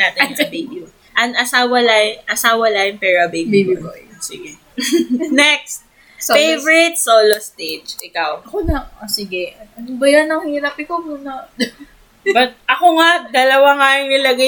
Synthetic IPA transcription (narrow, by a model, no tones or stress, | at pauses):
naːt̪ɛnsɐbejb | ʔɐnʔɐsaːwɐlajʔɐsaːwɐlaːjʊŋpɛɹɐbejbbisɪ̰ɡɛ | nɛk̚st̪̚ | fejvɹɪt̪̚soːlost̪ed͡ʒʔɪkawɐonɐʔosɪɡɛɐɐnobɐjɐnɐŋhiːɾɐpɪkomuːnɐ | bɐt̪̚ʔɐkoŋaʔd̪ɐlɐwaŋaːjɪŋnɪlɐɡa